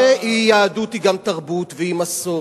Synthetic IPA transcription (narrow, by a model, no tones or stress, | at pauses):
eijaːdut̪iɡamt̪aʁbut̪veimaso